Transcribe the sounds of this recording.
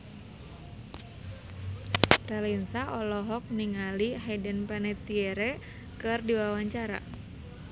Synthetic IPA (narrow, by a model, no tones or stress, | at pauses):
ralinsaʔɔlɔɦɔk̚niŋaliɦɛdənpanɛt̪ieɾe | kɨrdiwawaɲt͡ʃaɾa̰